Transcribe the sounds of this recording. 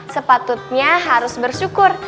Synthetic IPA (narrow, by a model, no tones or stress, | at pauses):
səpat̪ʊt̪̚ɲaɦaɾʊsbərʃukʊr